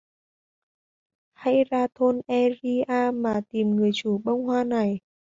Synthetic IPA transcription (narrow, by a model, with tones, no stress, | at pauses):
ha̰˧˥jzaː˧t̪ʰo˧nʔɛ˧zi˧ʔaː˧maː˨˩t̪i˨˩mŋɨ˨˩əjt͡ɕu˧˩ɓə˧wŋ͡mhwaː˧na˨˩j